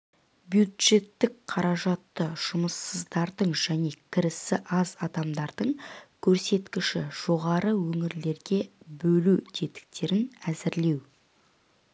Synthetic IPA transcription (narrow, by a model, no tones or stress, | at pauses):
bjud̪ʒe̞t̪ːɪkqʰɑɾɑʒɑt̪ːəʒ̥ʊməsːəzd̪ɑɾd̪əɴʒæne̞kʲʰɪɾɪsɪʔɑzɑd̪ɑmd̪ɑɾd̪əɴkʲʰɵɾse̞t̪kʲɪʃɪʒ̥o̞ʁɑɾəwɵŋɪɾle̞ɾɡʲe̞bɵlut̪ʰe̞t̪ɪ̥k̚t̪e̞ɾɪnæzɪɾle̞w